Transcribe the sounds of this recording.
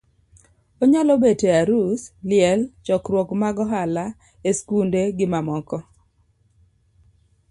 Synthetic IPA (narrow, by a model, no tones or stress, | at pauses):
oɲalɔbeteaɾuslɪɛlt͡ʃɔkrwɔkmaɡɔɦala | eskundeɡɪmamɔkɔ